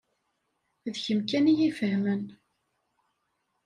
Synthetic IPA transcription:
ðçəmkænijifəhmən

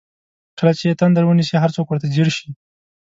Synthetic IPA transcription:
kəlat͡ʃet̪and̪aɾwənisiɦaɾt͡sokwəɾt̪ad͡ʒeɾʃi

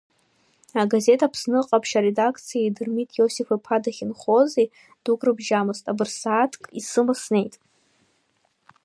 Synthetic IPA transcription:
aɡaze̞tʰapʰsnɨqʼapʰʃaɾedakʰt͡sʰijajdɨrmitʼjosifapʰadaχʲinχo̞ze | d̥ukʼrɨbʒamɨstʼabɨrsaːtʰkʼisɨmasne̞jtʼ

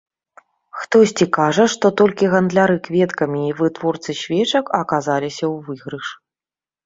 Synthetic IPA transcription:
xt̪ɔsʲt͡sʲikaʐɐʂt̪ɔt̪ɔlʲkʲiɣɐnd̪lʲaɾɨkvʲɛt̪kɐmʲiːvɨt̪vɔrt̪sɨɕʲvʲɛt͡ʂɐkɐkazalʲisʲɐwvɨɣɾɨʂ

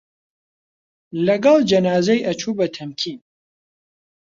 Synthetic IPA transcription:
lɐɡɑlˠd͡ʒɐnaːzɛjʔɐt͡ʃʰuːbɐt̪ʰɐmkʰiːn

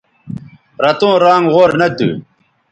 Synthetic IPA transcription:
ɾɐt̪õːɾaːŋʁoːɾnɐd̪ṵ

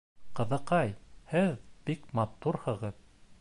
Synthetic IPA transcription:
qɤ̆ðɤ̆qɑjhɘðb̥ikmɑt̪uɾhɤ̆ʁɤð

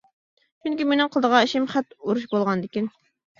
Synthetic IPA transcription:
t͡ʃʰyŋkʲimenɪŋqʰəlˠd̪əʁɑeʃɪmχæt̪uɾuʃ̬bolˠʁɑnd̪ɪkʲin

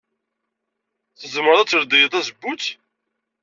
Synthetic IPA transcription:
θəzməɾˤæt͡sːəɾd̪ijəðˤæzəbːut͡sː

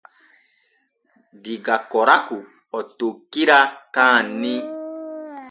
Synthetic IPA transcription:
diɡakɔɾaku | ɔtokːiɾakãnːĩ

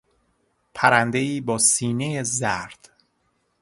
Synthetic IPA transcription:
pʰæɾænd̪e̞iːbɒːsiːnejezæɾd̪̥

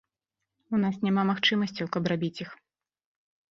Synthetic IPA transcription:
unasnʲamamaxt͡ʂɨmɐsʲt͡sʲɐwkɐbrabʲit͡sʲix

